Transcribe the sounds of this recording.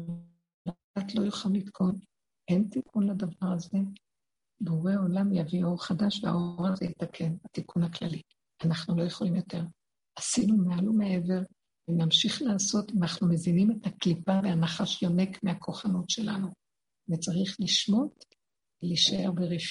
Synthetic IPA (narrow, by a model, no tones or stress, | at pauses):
ldat̪lo̞juχalːit̪kʰo̞n | ʔe̞ntikunladavaʁaze̞ | buʁeo̞lamjavio̞ʁχadaʃvea̰ʔo̞ʁazejit̪akʰe̞nat̪ikunhaklali | anaχnulo̞je̞χo̞limjo̞te̞ʁ | asinumealumee̞ve̞ʁ | venamʃiχlaːso̞timanaχnume̞zinime̞taklipaveanaχaʃjo̞ne̞kmeakʰo̞χanutʃe̞la̰nu | vet͡saʁiχliʃmo̞t | veliʃae̞ʁbeʁif